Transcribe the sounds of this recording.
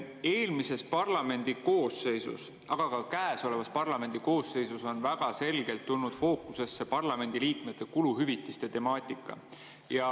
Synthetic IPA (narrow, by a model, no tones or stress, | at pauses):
eːlmise̞spɑrlɑme̞nʲd̪̥iko̞ːsːe̞jsṵs | ʔɑɡ̥ɑkɑkæːeso̞le̞vɑspɑrlɑme̞nd̪̥iko̞ːsːe̞jsuso̞nvæɡ̥ɑse̞lɡ̥e̞lt̪ːulnud̪̥fo̞ːkuse̞sːe̞pɑrlɑme̞nd̪̥iliːkme̞t̪ːˑe̞kuluɦyvit̪ˑːist̪e̞t̪e̞mɑːt̪ʲːˑikːˑɑ̰ | jɑ